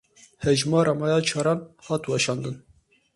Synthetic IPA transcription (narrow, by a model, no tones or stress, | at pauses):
hɛʒmɑːɾʔɑmɑːjɑːt͡ʃʰɑːɾɑːnhɑːt̪wɑʃɑːnd̪ɨn